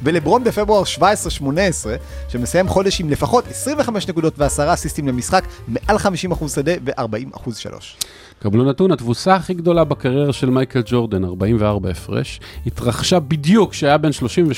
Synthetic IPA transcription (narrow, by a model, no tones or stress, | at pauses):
velebʁo̞nbefe̞bʁuaʁʃvaesʁeʃmo̞neesʁe̞ | ʃemesajemχo̞de̞ʃimle̞faχo̞tesʁimveχameʃnekudo̞tveasaʁasistimlemisχakme̞ʔalχamiʃimaχuzsade̞ve̞ʔaʁbaʔima̰χuzʃa̰lʔo̰ʃ | kablunatunat̪vusaːχiɡd̪o̞labakaʁjeʁaʃe̞lmajkeld͡ʒo̞ʁd̪anaʁbaimveaʁbaefʁḛʃhit̪ʁaχʃabidjukʃeajabe̞nʃlo̞ʃimve